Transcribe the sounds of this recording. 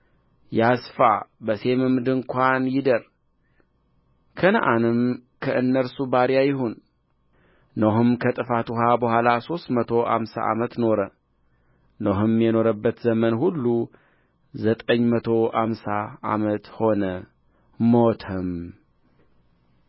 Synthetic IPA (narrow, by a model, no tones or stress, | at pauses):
jasfa̰bəse̞mɨmd̪ɨŋkʷanjɪd̪əɾ | kʰənəʔanɨmkʰəʔɨnːəɾsubaɾjajɪɦun | noɦɨmkʰət̪ʼɨfat̪uɦabəhʷwalaso̞st̪mət̪ʰo̞ʔa̰msa̰ʔa̰mət̪no̞ɾə | noɦɨmjɛno̞ɾəbːət̪zəmənhulːu | zət̪ʼəɲːmət̪ʰo̞amsaa̰mət̪ho̞nə | mot̪ʰəm